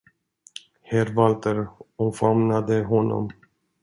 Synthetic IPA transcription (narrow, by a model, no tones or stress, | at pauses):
hɛɾvalt̪əɾɔfamnad̪əɦɔnːɔ̰m